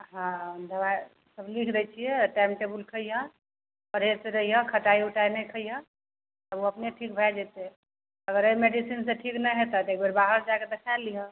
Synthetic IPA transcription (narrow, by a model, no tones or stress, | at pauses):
ɦãd̪ʱəʋaj | səblikʰɾəjt͡ʃʰijɛʈamʈebulkʰəijə̃ | pəɾeseɾəɦijə̃kʰəʈaiuʈajnɛkʰəjɦə̃ | t̪əbuəpneʈʰik̚bʱɛd͡ʒɛt̪e | əɡəɾəjmeɖisinseʈʰiknɛɦet̪at̪ek̚bʱeɾbaɦəɾd͡ʒaked̪ekʰajliɦə̃